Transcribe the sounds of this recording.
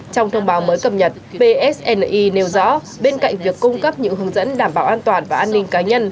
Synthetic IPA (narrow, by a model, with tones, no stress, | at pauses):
t͡ɕɔ˧wŋ͡mt̪ʰə˧wŋ͡mɓaː˨˦wməː˨˦jkə˨˩p̚ɲə˨˩t̚ɓe˧ʔɛ˦˥sʔɛ˧n˧ʔi˧ne˨˦wzɔ̰˧˥ | ɓe˧nka̰˧˨jŋ̟vi˨˩əkːʊ˧ŋ͡mkə˦˥p̚ɲɨ̰˧˥ɦɨ˨˦əŋzə̰˧˥nɗaː˨˩mɓaː˨˩wʔaː˧nt̪waː˨˩nvaː˨˩ʔaː˧nːï˧ŋ̟kaː˨˦ɲə˧n